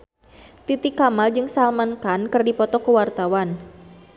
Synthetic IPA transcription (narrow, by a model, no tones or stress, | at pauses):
t̪it̪ikːamald͡ʒɨŋsalmankankɨrdipɔt̪ɔkəwart̪awan